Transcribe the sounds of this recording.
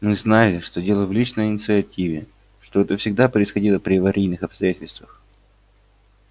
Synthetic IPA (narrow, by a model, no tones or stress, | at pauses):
mɨznalʲɪʂt̪o̞dʲe̞lˠəvlʲit͡ɕnəjɪnʲɪt̪sɨɐtʲivʲɪ | ʂt̪oɛt̪əfsʲɪɡ̚d̪apɾəɪsxɐdʲilˠəpɾʲɪɐvɐɾʲʔijnɨxɐpst̪ɐjatʲɪlʲst̪vəx